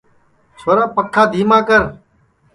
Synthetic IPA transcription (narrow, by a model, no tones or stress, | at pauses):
t͡ʃʰoːɾãːpəkʰːaːd̪ʱiːmãːkəɾ